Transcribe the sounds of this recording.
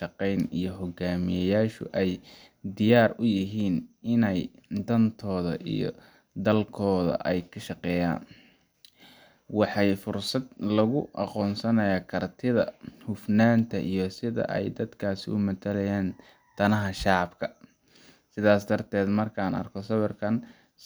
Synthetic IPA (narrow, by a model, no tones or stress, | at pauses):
ʃɑqɛjnijɞɦɔɡaːmɪjɛjaːʃʊ̰ʔɛj | d̪ɪjaːrʊjɪɦiːnɪnɛjd̪ɐnt̪ʰɔːðɐʔḭjɔ̰ | d̪ɐlkʰɔːðɐ̰ʔɛjkʰɐʃɑqɛːja̰ːn | wɑħɑjfʊrsɐd̪lɐɣʊʔɑqɔːnsɐnɐjaːkʰɐrt̪ʰɪðɐ̰hʊfnaːnt̪ʰɐʔijɞsɪðɐ̰ʔɛ̰jd̪ɐd̪kʰaːsɪʊ̰mɐt̪ʰɐlɛjaːn | t̪ʰɐnɐɦɐʃɑʕɑbkʰɐ | sɪðaːsd̪ɐrt̪ʰɛːd̪mɐrkʰaːnɐ̰rkʰɔsɐβɐrkʰɐn